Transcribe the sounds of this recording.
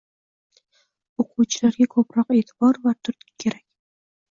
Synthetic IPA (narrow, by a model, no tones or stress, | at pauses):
oqʰuwt͡ʃʰɪlaɾɡʲakʰɵpɾɒqe̞t̪ʰɪ̥bɒɾvat̪ʰʊɾt̪ʲɪ̥kʲʰe̞ɾakʲ